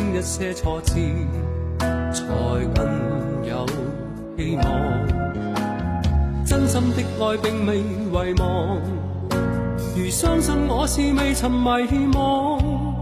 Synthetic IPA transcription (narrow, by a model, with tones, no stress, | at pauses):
ŋjɐ˥t̚sɛː˥t͡sʰɔː˧t͡sʰiː˧ | t͡sʰɔː˨˩jkʷɐ˥njɐ˨˧w | he˥jmɔː˨˩ŋ | t͡sɐ˥nsɐ˧mt̪ɪ˥k̚ŋɔː˧jpɪ˨ŋme˨j | wɐ˨jmɔː˨˧ŋŋ | jyː˨˩sœː˥ŋsɐ˨nŋɔː˨˧siː˨me˨˧jt͡sʰɐ˨˩mmɐ˨˧jhe˥mɔː˨˧ŋ